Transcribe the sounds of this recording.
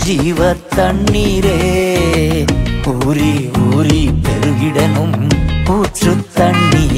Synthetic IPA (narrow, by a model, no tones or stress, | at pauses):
d͡ʒiːʋɐt̪ːɐɳːiɾeː | puːɾiuːɾipɛɾɯʋɪɽɐnɯmpuːʈrɯt̪ːɐɳːi